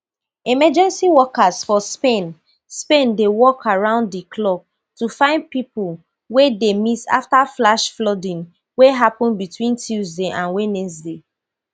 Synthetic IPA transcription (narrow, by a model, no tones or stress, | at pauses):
imɛd͡ʒɛ̃nsiwɔkazfɔspẽn | spẽndewɔkaɹãʊ̃nddikʰlɔb̚ | tufãɪ̃nd̚pipul | wedemita̰ftaflaʃflɔdĩn | weɦapɔ̃nbitwĩntʰuzdeʔãnwenɛksde